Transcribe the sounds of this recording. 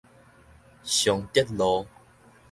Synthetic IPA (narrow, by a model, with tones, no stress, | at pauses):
ɕjɔ˨ŋt̪jɛ˦t̚lɔ˨˧˦